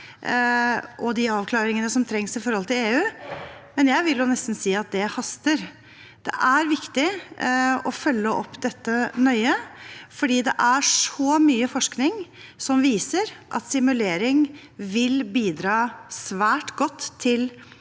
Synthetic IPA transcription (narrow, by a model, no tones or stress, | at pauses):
ʔɔd̪ɪɑːʋkʰlɑːɾɪŋənəsɔmt̪ʰɾɛŋsɪfɔɾhɔlt̪ɪleːʉːmɛnjæɪʋɪljʊnɛst̪n̩siːɑt̪̚d̪ɛhɑst̪əɾ | d̪̥ɛ̰ʔæɾʋɪkt̪ɪ | ɔfœlːəʔɔpːd̪ɛt̪ːənœʏəfɔɖiːd̪ɛʔæʂɔmyːəfɔʂknɪŋ | sɔmʋiːsəɾʔɑ̰t̪sɪmʉleːɾɪŋ | ʋɪlbiːd̪ɾɑːsʋæːʈɡɔt̪ʰːɪl